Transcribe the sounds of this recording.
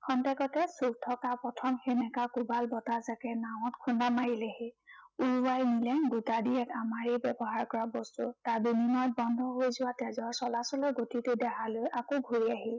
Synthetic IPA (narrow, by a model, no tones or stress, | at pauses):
kʰɔntɛkɔtɛsuk̚tʰɔkapɹɔtʰɔmxenɛkakubalbɔtazakɛnaʊ̃ɔtkʰunamaɹilɛheuɹwajnilɛɡutadiɛkamaɹejbɛbɔɦaɹkɔɹabɔstṵtaɹbinimɔjt̚bɔndʱɔɦojzʊwatɛzɔɹsɔlasɔlɔɡotitedɛɦalojʔakoɡʱuɹiaɦil